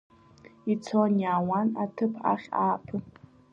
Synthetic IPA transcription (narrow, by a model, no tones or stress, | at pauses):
it͡sʰonjaːwanatʰɨpʰa̰χʲaːpʰɨ